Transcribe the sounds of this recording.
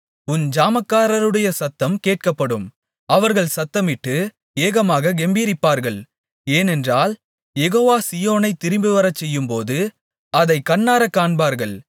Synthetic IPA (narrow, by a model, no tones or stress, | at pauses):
ʊnd͡ʒaːmɐkːaːɾɐɾɯɽɐjɐsɐt̪ːɐmkeːʈ̚kɐpːɐɽɯm | ɐʋɐɾɣɐɭsɐt̪ːɐmɪʈːɯ | eːɣɐmaːɣɐɡɛmbiːɾɪpːaːɾɣɐɭ | eːnɛndraːl | jɛɣoːʋaːsɪjoːnɐɪt̪ːɪɾɪmbɯʋɐɾɐt͡ʃːɛjːɯmpoːðɯ | ɐðɐɪkːɐɳːaːɾɐkːaːɳbaːɾɣɐɭ